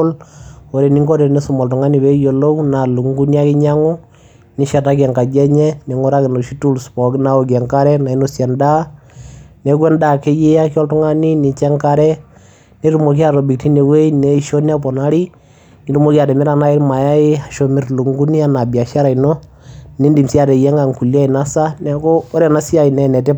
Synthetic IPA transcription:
lo˨ɾɛ˨ni˦ŋɡo˦ɾɛ˨nɛ˦sʊ˨mɔ˨ltʊ˨ŋa˦ni˨βɛ˦jo˨lo˦wna˨lu˨ŋɡu˦ni˦a˦kɪ˦ɲa˦ŋo˦ | nɪ˨˦ʃɛ˨ta˦k̬ɛ˨ŋka˨d͡ʒɛ˦ɲɛ˦nɛ˨ŋʊ˦ɾa˦kɪ˨no˨ʃi˦tu˦lspɔ˨kna˦o˨ɡ̬ɛ˨ŋka˦ɾɛ˦na˨i˦no˨sɛ˨nda˦ | nɛ˨kwɛ˦nda˦˨ke˦je˦a˦ki˦ɔ˦ltʊ˦ŋa˦ni˦nɪ˨t͡ʃɛ˦ŋka˦ɾɛ˦ | ni˦ɾu˨mo˨k̬i˦a˨ɾɔ˨bi˨k̚ti˦ne˨we˦nɛ˨˦ʃo˦ni˦a˦p̬ɔ˨na˦ɾi˦ | ni˨˦ɾu˦mo˦ki˦a˨tɛ˨mɪ˦ɾa˨na˦ɪ˦ɾma˨ja˦ɪ˦a˨ʃo˨mɪ˨ɾlu˨ŋɡu˦ni˦a˦na˨bi˨a˨ʃa˦ɾa˨ino˦ | ni˦ndi˨msi˦a˦˨ɾɛ˨jɛ˦ŋa˨ŋku˨la˦i˨na˦sa˦nɛ˦ko˦ɔ˦ɾɛ˨na˦si˦a˦i˨nɛ˨nɛ˨tɪ˦

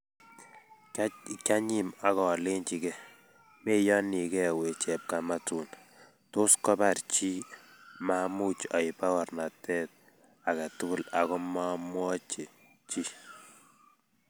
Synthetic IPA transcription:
kja˦ɲi˨ma˨kɔ˨lɪ˦nt͡ʃi˨kɛ˦ | me˦jɔ˦ni˨kɛ˦we˨t͡ʃɛ˨p̚ka˨ma˦tu˨n | tʊ˦skɔ˦pa˨ɾt͡ʃi˦ | ma˦mu˦t͡ʃɔ˨i˨pa˦wɔ˨rna˨tɛ˦t̚ | a˨ka˨tʊ˦kʊ˦la˨kɔ˦ma˦mwɔ˦t͡ʃe˨ | t͡ʃi˦

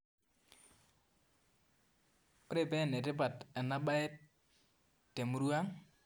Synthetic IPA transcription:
ɾe˦˨bɛ˦˨nɛ˨tɪ˦pa˨tɛ˨na˦ɓa˦ɛ˦t | tːe˨mu˦ɾu˦a˦ŋ

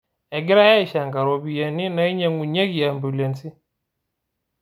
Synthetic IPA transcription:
ɛ˨ɡɪ˦ɾa˦jɛ˦i˨ʃa˨ŋɡa˨ɾɔ˨bi˨jɛ˨ni˦na˨i˦ɲɛ˨ŋu˨ɲe˦ɡi˨a˨mbu˨lɛ˨nti˦

